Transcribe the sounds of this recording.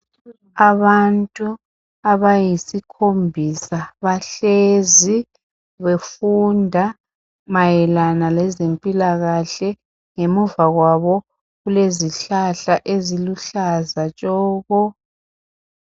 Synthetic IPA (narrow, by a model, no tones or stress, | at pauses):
aβantʼu | aβajisikʰombʱisaβaɬezi | βefundʱa | majɛlanalɛzempʼilaɣaɬɛ | ŋemuvaɣwaβɔ | ɣuleziɬaɬaʔeziluɬazat͡ʃʼɔːɣɔ